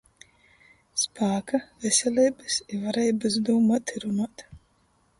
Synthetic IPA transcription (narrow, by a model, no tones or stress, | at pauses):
spʰaːkavɛsʲɛlʲiːbɨsivaɾɛjbɨsd̪umat̪ʰiɾumat̪